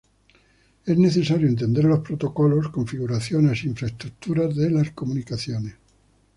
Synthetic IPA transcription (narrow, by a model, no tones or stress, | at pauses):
e̞zne̞θe̞saɾjoe̞nt̪̬e̞nd̪e̞ɾlo̞spɾo̞t̪o̞ko̞lo̞skoɱfiɣuɾaθjo̞nesiiɱfɾaest̪ɾuk̚t̪uɾazðe̞lasko̞munikaθjo̞ne̞s